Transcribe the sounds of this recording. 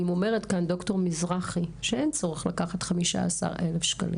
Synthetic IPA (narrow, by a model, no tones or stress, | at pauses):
imo̞me̞ʁetkando̞kto̞ʁmizʁaχiʃee̞nt͡so̞ʁeχlakaχat̪χamiʃa̰asa̰ʁelefʃka̰lḭ